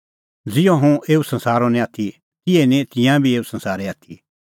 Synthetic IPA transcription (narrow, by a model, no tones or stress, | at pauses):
d͡zɪjõɦũʔeːusɐ̃nsaːɾonɛ̃aːt̪ʰi | kɪɛnɛ̃t̪ɪ̃jãbʱieːusɐ̃nsaːɾɛaːt̪ʰi